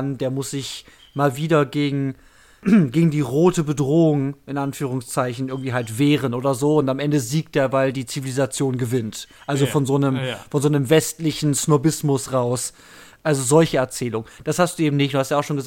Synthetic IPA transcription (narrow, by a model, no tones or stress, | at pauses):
ndeːɐmʊsz̥ɪç | maːlviːdɐɡeːɡŋ̩ | ɡeːɡŋ̩diːʁoːtəbədʁoːʊŋʔɪnʔanfyːʁ̞ʊŋst͡saɪçn̩ʔɪɐɡŋ̩tv̥iːɦaltv̥eːʁənʔoːdɐzoːʊntamʔɛndəziːk̚t̚d̥eːɐvaɪldiːt͡sivilizat͡sjoːnɡəvɪntʔalzofɔnzoːnəmfɔnzoːnəmvɛstlɪçn̩snobɪsmʊsʁaʊs | ʔalzozɔlçəɛɐt͡sɛːlʊŋd̥ashastd̥uːeːbm̩nɪçtd̥uːhastːjaʊʃoːnŋɡəz